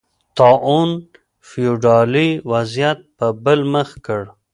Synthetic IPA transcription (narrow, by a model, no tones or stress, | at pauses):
t̪ɑʔun | fijuɖɑliwazjat̪̚pəbəlməxkəɽ